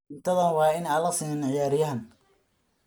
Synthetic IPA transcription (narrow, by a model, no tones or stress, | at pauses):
nt̪ʰɐðɐnwɑːɪnaːlɐsiːmɪnʕɪjaːɾɪjɐɦɐn